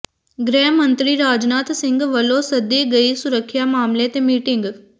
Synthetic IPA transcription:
ɡɾɛːmə̃nt̪ɾiɾaːd͡ʒnaːt̪sɪ̃ŋɡʋɐlosɐd̪ːeɡɐisʊɾəkʰːjamaːmlet̪emiːʈɪŋɡ

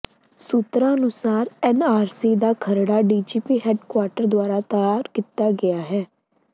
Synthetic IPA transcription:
sut̪ɾãːənʊsaːɾɛːnaːɾsiːd̪aːkʰəɾɽaːɖiːd͡ʒiːpiːɦɛːɖkwaːɾʈəɾd̪oaːɾaːt̪əjaːɾkit̪ːaːɡɪaːɦɛː

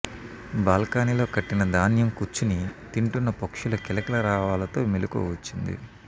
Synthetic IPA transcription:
baːlkaːnilo̞ːkɐʈːinɐd̪aːnjɐmkut͡ʃːunit̪iɳʈunːɐpokʂulɐkɛlɐkɐlɐɾaːʋaːlɐt̪o̞ːmiluko̰ːʋɐt͡ʃːind̪ḭ

